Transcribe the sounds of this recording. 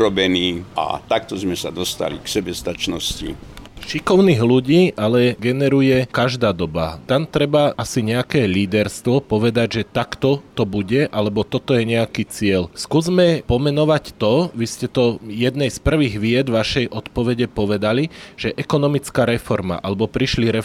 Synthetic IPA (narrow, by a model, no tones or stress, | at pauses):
ɾɔbɛniːa̰t̪akt̪ɔzmɛsa̰d̪ɔst̪a̰lḭksɛbɛst̪at͡ʃnɔscḭʃikɔʊniːɣluɟiːʔalɛɡɛnɛɾujɛkaʒd̪aːd̪ɔba̰t̪amt̪ɾɛbaʔasiɲɛakɛːliːd̪ɛɾst̪ʋɔpɔʋɛd̪aɟʒɛt̪akt̪ɔt̪ɔbuɟɛʔalɛbɔt̪ɔt̪ɔjɛɲɛakit͡sɪɛʎskuːzmɛpɔmɛnɔʋact̪ɔʋiscɛt̪ɔjɛd̪nɛjspr̩ʋiːɣʋɪɛd̪vʋaʃɛjʔɔt̪pɔʋɛɟɛpɔʋɛd̪aliʒ̥ɛʔɛkɔnɔmit͡skaːɾɛfɔɾma̰ʔalɛbɔpɾiʃliɾɛ